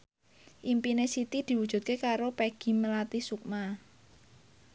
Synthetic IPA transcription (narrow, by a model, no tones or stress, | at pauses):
ʔimpinesit̪id̪̥i̤wud̥ʒ̥ṳt̪̚kekaɾopɛɡ̥i̤məlat̪isuk̚ma